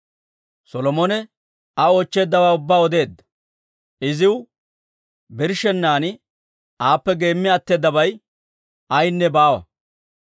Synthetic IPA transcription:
sɔlɔmonɛ | ɐo̞ːt͡ʃːe̞ːd̪ːɐwaːʊbːaːɔd̪e̞ːd̪ːɐ̥ | ɪzɪw | bɪɾʃɛnːaːnɪ | ʔaːpːɛɡe̞ːmːɪɐt̪ːe̞ːd̪ːɐbɐj | ʔɐjnːɛbaːwɐ̰

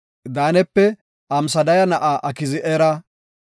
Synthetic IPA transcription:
d̪aːnɛpːɛ | ʔɐmsɐd̪ɐjɐnɐʔaːʔɐkɪzɪʔɛɾɐ

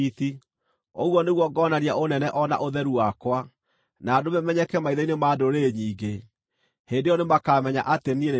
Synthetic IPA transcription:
iθi | oɣwɔneɣwɔɡɔnaɾjaonɛnɛʔɔna̰ʔoðɛɾuwakwa | naːdomɛmɛɲɛkɛmaiðainemadoɾeɲiːɡe | hendejɔnemakamɛɲa̰ʔateniene

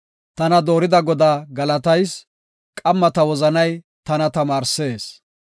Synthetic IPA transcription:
t̪ɐnɐd̪oːɾɪd̪ɐɡɔd̪aːɡɐlɐt̪ɐjs | kʼɐmːɐt̪ɐwɔzɐnɐj | t̪ɐnɐt̪ɐmaːɾse̞ːs

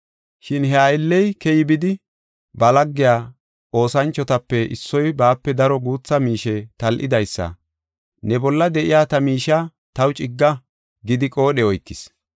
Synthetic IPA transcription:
ʃɪnɦɛɐjɪlːɛjkɛjɪbɪd̪ɪ | bɐlɐɡːɪjaː | o̞ːsɐnt͡ʃːɔt̪ɐpːɛɪ̰sːɔjbaːpːɛd̪ɐɾɔɡuːt͡sːɐmiːʃɛt̪ɐlʔɪd̪ɐjsːɐ̰ | nɛbɔlːɐd̪ɛʔɪjaːt̪ɐmiːʃɐ | t̪ɐwt͡ʃʼɪɡːɐ | ɡɪd̪ɪkʼo̞ːɗɛɔjkːɪs

